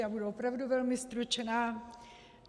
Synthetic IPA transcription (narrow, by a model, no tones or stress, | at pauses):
jabuduopɾavduvɛlmɪst̪ɾut͡ʃnaː